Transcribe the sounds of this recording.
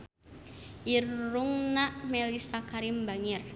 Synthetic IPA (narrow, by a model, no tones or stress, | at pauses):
ʔirːuŋnaʔmɛlisakaɾimbaŋir